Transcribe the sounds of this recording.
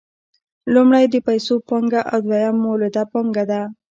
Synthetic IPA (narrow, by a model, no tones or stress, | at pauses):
lumɽajd̪əpajsopoŋɡaʔawd̪wajamːoled̪apoŋɡad̪a